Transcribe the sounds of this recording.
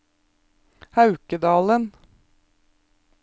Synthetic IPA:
hɑʉkəd̪ɑːlən

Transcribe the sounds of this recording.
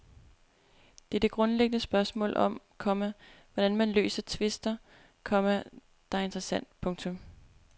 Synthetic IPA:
d̥e̝ɐd̥e̝ɡ̥ʁɔ̽nleɡ̥ənəsb̥ɶɐsmɔ̰ːlɒ̽m | kʰɒ̽mæʋɒɾ̥ænmænlø̰ːsɐt͡sʰʋe̝sd̥ɐ | kʰɒ̽mæ | d̥ɑ̈ɐe̝nd̥ʁɐsæn̰d̥pʰɔ̽ŋt͡sʰɔ̽m

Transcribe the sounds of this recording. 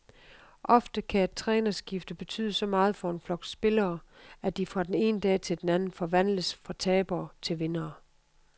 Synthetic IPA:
ʔɒ̽fd̥əkʰææd̥̚t͡sʰʁɛːnɐsɡ̥ifd̥əb̥e̝t͡sʰy̰ːðˠsɒ̽mɑ̈ːð̞̩ˠfɒ̽e̝nflɒ̽ɡ̥sb̥e̝lɐːæd̥ifʁɑ̈d̥ene̝̰ːnəd̥ɛ̰ːt͡sʰe̝d̥enænn̩fɒ̽ʋæn̰ləsfʁɑ̈t͡sʰɛːb̥ɐːt͡sʰe̝lʋe̝nɐː

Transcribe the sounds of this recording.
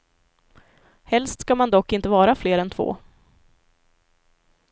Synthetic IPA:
hɛlst̪skamand̪ɔkːɪnt̪əvɑːɾafleːɾɛnt̪ʰvo̰ː

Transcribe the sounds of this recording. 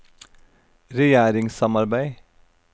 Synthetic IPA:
ɾɛjæːɾɪŋsɑmɑɾbæɪ

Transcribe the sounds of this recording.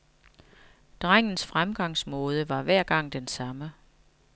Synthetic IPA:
d̥ʁaŋ̰n̩sfʁamɡ̥ɑ̈ŋ̰smɔ̽ːð̞ˠəʋɑ̈ʋæɐ̰ɡ̥ɑ̈ŋ̰d̥ensɑ̈mə

